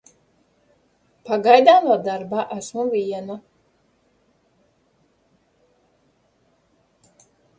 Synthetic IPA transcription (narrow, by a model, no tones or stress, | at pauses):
paɡajd̪aːnuɔd̪aɾbaːʔæsmuvʲiɛnu